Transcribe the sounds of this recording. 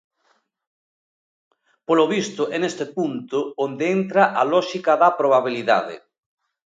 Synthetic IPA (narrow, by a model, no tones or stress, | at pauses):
poloβ̞ist̪oʔenest̪epunt̪oond̪eent̪ɾaʔalɔʃikaðapɾoβ̞aβ̞iliða̰ðḛ